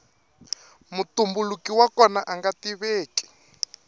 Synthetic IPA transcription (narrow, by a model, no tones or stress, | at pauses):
mutumbulukiwakɔnaʔaŋɡatiβeːki̥